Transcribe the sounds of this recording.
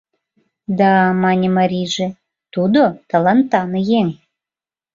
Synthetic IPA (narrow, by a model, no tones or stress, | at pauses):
d̪ɑmɑnʲemɑɾʲiʒĕ | t̪ud̪ot̪ɑlɑnt̪ɑnɤjeŋ